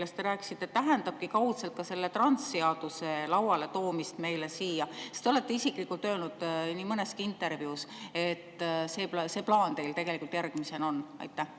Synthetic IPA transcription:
lːest̪e̞ɾæːkːˑi̥sit̪ːˑet̪ːæɦend̪ɑb̥̚kikɑwt̪selt̪̚kɑse̞lːe̞t̪rɑnt̪sːeɑd̪̥use̞lɑwwɑle̞t̪o̞ːmist̪me̞jle̞siːjɑse̥st̪eo̞le̞t̪ːe̞isikˑlikːult̪ːˑø̞ːlnud̪̥niːmɤne̞skiint̪ːˑe̞ɾvjuse̞t̪ːˑse̞ːpse̞ːplɑːnt̪e̞jlt̪e̞ɡe̞likult̪jæɾɡ̥mise̞no̞nːɑ̰jt̪ːˑæh

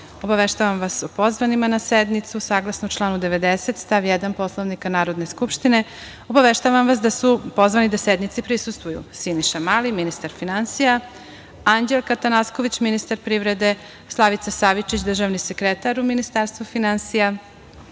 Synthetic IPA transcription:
o̞baʋeʃt̪aʋamʋasopo̞zʋanimanased̪nit̪susaːɡlˠasnot͡ʃlˠaːnud̪eʋe̞d̪ese̞t̪st̪aʋjed̪anpo̞slˠoʋnikanaːɾo̞d̪ne̞skupʃt̪ine̞ | o̞baʋe̞ʃt̪aʋamʋasd̪asupo̞zvʋanid̪ased̪nit̪sipɾisust̪vʋujṵsiniʃamaliminist̪aɾfinansija | and͡ʑelkat̪anasko̞ʋit͡ɕminist̪aɾpɾiʋɾe̞d̪e̞ | slˠaʋit̪sasaʋit͡ʃit͡ɕd̪r̩ʒaʋnisekɾet̪aɾuminist̪aɾst̪vufinansija

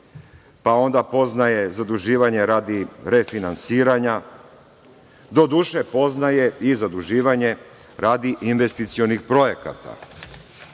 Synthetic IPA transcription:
pao̞nd̪apo̞znaje̞zad̪uʒiːʋaɲe̞ɾaːd̪iɾe̞finansiːɾaɲa | d̪o̞d̪uʃepo̞znaje̞izad̪uʒiːʋaɲe̞ | ɾaːd̪iʔinʋe̞st̪it̪sio̞nixpɾo̞je̞ka̰t̪a̰

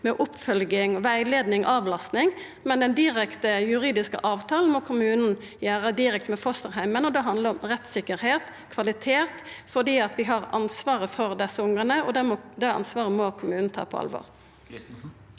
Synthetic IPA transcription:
mɛʔʊpːfœlɡɪŋɔʋæɪleːd̪nɪŋʔɑʋlɑst̪nɪŋ | mɛnd̪ɛnd̪ɪʁɛkt̪əjʉʁiːd̪ɪskə̰ʔɑːʋt̪ʰɑːln̩mɔkʰʊmʉːnn̩ | jæːʁəd̪ɪɾɛk̚t̪mɛfɔst̪əʁɦæɪmənɔd̪ɛɦɑnd̪ləɾɔmʁɛt̪sɪkəɾheːt̪ | kʰʋɑlɪt̪ʰeːt̪fɔʁd̪iːɑt̪ʋɪɦɑʁɑ̰nsʋɑːʁəfɔɾd̪ɛsːəʊŋʁənəɔd̪ɛmɔd̪ɛɑ̰nsʋɑːʁəmɔkʰʊmʉːn̩t̪ʰɑ̰ːpʰɔ̰ɑ̰lʋɔ̰ːʁ

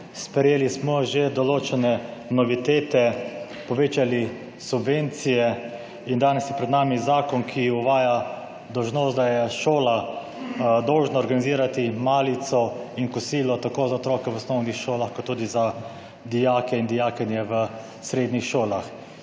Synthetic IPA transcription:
spɛjeːlismɔʒed̪ɔloːt͡ʃɛnɛnɔʋit̪eːt̪ɛ | pɔʋeːt͡ʃali | subʋeːnt̪sijɛ | ind̪aːnɛsjɛpɾɛd̪naːmizaːkɔnkʰiuʋaːja | d̪ɔwʒnoːst̪̚d̪ajɛʃoːla | d̪ɔwʒnaɔːɾɡaniziːɾat̪imaːlit̪sɔinkɔsiːlɔt̪akoːzaot̪ɾɔːkɛwɔsnɔwnixʃoːlaxkɔt̪ːuːd̪iza | d̪ijaːkɛind̪ijaːkɛnjɛʋə | sɾeːd̪nixʃoːlax

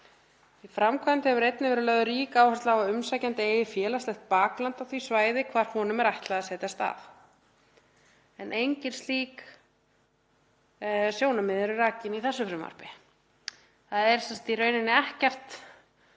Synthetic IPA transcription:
ifɾamkʰant̪ɪhɛvʏɾejt̪nɪvɛːɾɪlœːðʏɾiːkaːwhast̪laːaʏmsaːjcant̪ɪeːjɪfjɛːlast̪ɛxt̪̚paːklant̪awθvisvaːjðɪkʰvaːɾ̥hɔːnʏmɛɾajht̪laɣasɛːt̪ast̪a̰f | ɛnʔejɲcɪn̥st̪liːk | sjoːwnamɪðɾʏɾaːcɪniθɛsːʏfɾɪmːa̰ɾ̥pɪ | θaðɛɾ̥sɛnsat̪irœːɥnɪnːɪɛhcɛr̥t̪

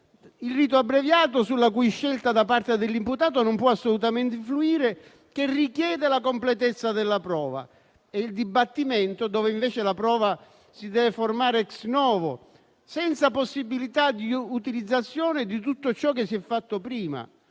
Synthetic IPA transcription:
ilriːt̪̬oabːɾevjaːt̪osulːakuiʃːɛlt̪ad̪apart̪ed̪ɪlːimput̪aːt̪onʊmpwɔasːolut̪amɛnt̪ɪfluiːɾe | kerikjɛːd̪elakomplɛt̪ɛt̪sːad̪ɪlːapɾɔːva̰ | ɛild̪ibat̪ːimeɛnt̪od̪ɔːvɪiɱveːt͡ʃɪlapɾɔːva | sid̪ɛːveformaːɾɛksnɔːvo | sɛnt̪saposːibːilit̪ad̪iut̪ilid̪zːat̪sːjɔːnɪd̪it̪ut̪ːot͡ʃɔk̟ɪsːiɛfːat̪ːopɾiːma̰

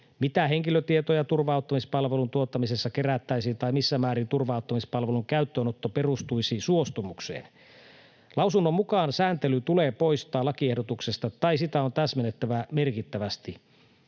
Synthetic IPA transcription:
mit̪æɦeŋkiløt̪iet̪ojɑt̪urʋɑut̪ːɑmispɑlʋelunt̪uot̪ːɑmise̞sːɑkeræt̪ːæjsiːnt̪ɑimisːæmæːɾint̪urʋɑˑut̪ːɑmispɑlʋeluŋkæyt̪ːøːnot̪ːoperust̪uisiːsuo̞st̪umuksḛːn | lʔɑwsunːomːukɑːnsæːnt̪elyt̪uleːpo̞ist̪ɑːlːɑkiehdot̪uksest̪ɑt̪ɑisit̪æo̞nt̪æsmenet̪ːæʋæme̞rkit̪ːæʋæst̪i

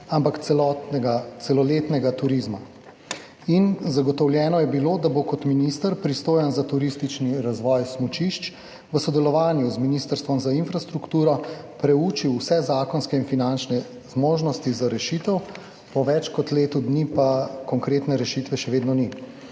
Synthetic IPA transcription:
ampaklɔtɡat̪sɛlɔleːt̪nɛɡat̪uɾizma | inzaɡɔt̪ɔwljɛːnɔjɛbiloːd̪abokɔt̪minist̪əɾpɾist̪oːjanzat̪uɾist̪it͡ʃniɾazʋɔjsmut͡ʃiʃt͡ʃ | ʋəsɔd̪ɛlɔʋaːnjuzminiːst̪əɾst̪ʋɔmzainfɾast̪ɾukt̪uːɾɔpɾɛuːt͡ʃiwsɛzaːkɔnskɛinfinant͡ʃnɛ | z̥moːʒnɔst̪izaɾɛʃit̪ɛw | pɔʋɛt͡ʃkɔt̪leːt̪ud̪nipakɔŋkɾeːt̪nɛɾɛʃiːt̪ʋɛʃɛʋeːd̪nɔni

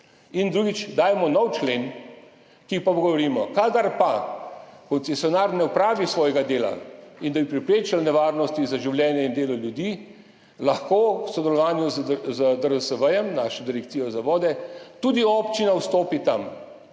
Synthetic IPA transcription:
ind̪ɾuːɡit͡ʃd̪aːjmɔnɔwt͡ʃlen | kipapɔɡɔʋɔɾiːmɔkad̪aɾpa | kɔnt̪sɛsjɔnaːɾnɛupɾaːʋisʋɔːjɛɡad̪eːla̰ind̪abipɾɛpɾeːt͡ʃalnɛʋaːɾnɔst̪izaʒiwljɛːnjɛind̪eːlɔljud̪i | laxkoːwsɔd̪ɛlɔʋaːnjuzzəd̪əɾəsəbəjɛmnaʃɔd̪iɾɛkt̪siːjɔzaʋɔːd̪ɛt̪uːd̪iɔpt͡ʃinawst̪oːpit̪am

